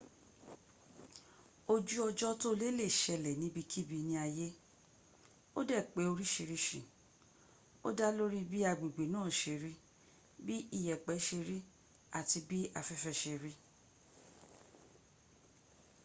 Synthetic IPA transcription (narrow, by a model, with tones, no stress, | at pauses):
o˧d͡ʒu˦ɔ˧d͡ʒɔ˦to˦le˦le˦˨ʃɛ˧lɛ˨nĩ˨˦bi˧kʰi˦bi˧nĩ˦a˧je˦ | o˦dɛ˦˨k͡pe˨˦o˧ɾi˦ʃi˧ɾi˧˦ʃĩ˨ | o̰˦da˦lo˦ɾi˦bi˦a˧ɡ͡bi˨ɡ͡be˨nãː˦˨ʃe˧˨ɾi˦ | bi˦i˦˨jɛ˨k͡pɛ˨˦ʃe˧ɾi˦ | a˨ti˧bi˦a˧fɛ˦fɛ˧ʃe˧ɾi˦